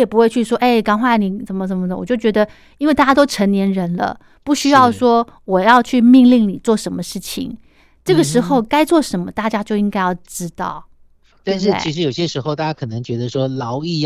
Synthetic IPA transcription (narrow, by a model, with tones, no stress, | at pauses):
jɛ˨˩pu˧˥xwe˥˧ɪt͡ɕʰy˥˩ʂwɔ˥ʔe˥˩ɪkɑ˥ŋxwa˥˩ni˨˩ʈ͡ʂə˧˥nmə˧˩ə˧˥nmə˧d̪ə˨˩wɔ˨˩t͡ɕjo˥˩t͡ɕɥɛ˧˥d̪ə˧ | i˥nwt̪a˥˩t͡ɕja˥t̪̬ʊʈ͡ʂʰə˧˥ŋnjɛ˧˥nɻə˧˥nlə̰˧ | pu˥˩ɕy˥jɑ˥˩ʊʂwɔ˥wɔ˨˩jɑ˥˧ʊt͡ɕʰy˥˧mi˥˧ŋli˥˩ŋni˨˩t͡swɔ˥˩ʂə˧˥nmə˧ʂɻ̩˥˩t͡ɕʰḭ˨˩ŋ | ʈ͡ʂɤ˥˩ɡə˩ʂɻ̩˧˥xo˥˩ʊka˥ɪt͡swɔ˥˩ʂə˧˥nmə˧t̪a˥˩t͡ɕja˥t͡ɕjo˥˩ʊi˥ŋka˥ɪjɑ˥˩ʊʈ͡ʂɻ̩˥t̪ɑ̰˥˩ʊ | t̪a˥˧nʂɻ̩˥˩t͡ɕʰi˧˥ʂɻ̩˧˥jo˨˩ʊ˩ɕjɛ˦˥ʂɻ̩˧˥xo˧ʊt̪a˥˩t͡ɕja˥kʰɤ˨˩nə˧˦ŋt͡ɕɥɛ˧˥d̪ə˧ʂwɔ˥lɑ˧˥ʊi˥˧